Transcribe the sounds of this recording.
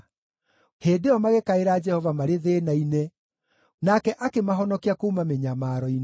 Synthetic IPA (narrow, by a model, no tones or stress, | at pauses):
heːdeɔmaɣekaeɾaːd͡ʒɛhɔvamaɾeðeːnainɛ | nakɛʔakemaɦɔnɔkiakuːmameɲamaɾɔin